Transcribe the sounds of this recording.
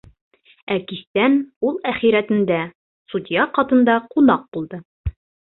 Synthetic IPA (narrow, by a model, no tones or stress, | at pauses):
ækist̪ænulˠæχiɾæt̪ɘ̆nd̪æ | sud̪ʲijɑqɑt̪ɤ̆nd̪ɑqunɑq̚bulˠd̪ɤ